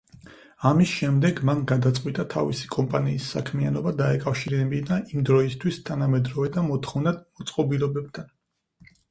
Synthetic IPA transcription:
amisʃɛmd̪ɛɡmanɡad̪at̪sʼqʼwit̪ʼat̪ʰa̰visi̥kʼɔmpʼaniːsːa̰kʰmianɔbad̪aɛkʼafʃiɾɛbid̪aʔimd̪ɾɔist̪ʰwist̪ʰanamɛd̪ɾɔvɛd̪amɔt̪ʰχɔvnad̪̚mɔt̪sʼqʼɔbilɔbɛb̚t̪ʰan

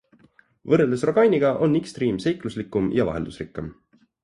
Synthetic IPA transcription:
vɤrːeld̪esro̞ɡɑjnʲiɡ̥ɑʔo̞nːikst̪riːmse̞jkluslikːˑumjɑvɑ̰ɦe̞ld̪̥usrikːem

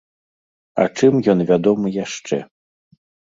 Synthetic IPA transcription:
ɐ̰t͡ʂɨmjɔnvʲad̪ɔmɨjaʂt͡ʂɛ̰

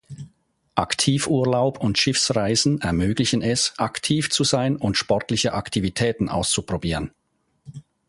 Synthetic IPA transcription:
ʔaktʰiːfʔuːɐlaʊpʰʊntʃɪfsʁaɪzn̩ɛɐmøːɡlɪçən̩ɛsʔaktʰiːft͡suzaɪnʊntʃpɔɐtlɪçəʔaktʰivitʰɛːtn̩ʔa̰ʊst͡supʁ̥obiːʁən

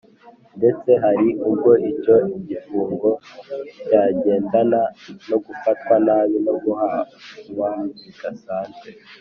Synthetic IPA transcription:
nde̞t͡se̞ɦaɾiʔubɡo̞ʔico̞iɟifuːŋɡo̞caɟe̞ːndanano̞ɡufatwanaːβino̞ɡuhauβanziɡ̥asaːnzɡwe

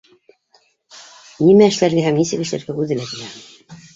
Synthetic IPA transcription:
nimæɘ̆ʃlæɾɡæhæmnisɘ̆kɘ̆ʃlæ̰ɾɡæʉðɘlæt̪ilæm

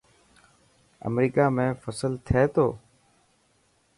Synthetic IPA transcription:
ə̰mɾiːkaːmẽːfəsəlt̪ʰeːt̪ʰoː

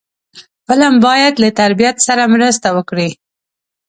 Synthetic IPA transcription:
bəlambɑjad̪lat̪aɾbijat̪saɾamɾəst̪awəkɽi

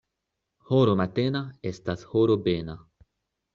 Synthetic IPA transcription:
hoɾomat̪enaest̪ashoɾobena

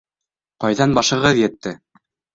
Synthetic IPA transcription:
qɑjðɑnbɑʃɤ̆ʁɤðjɘ̆t̪ːɘ

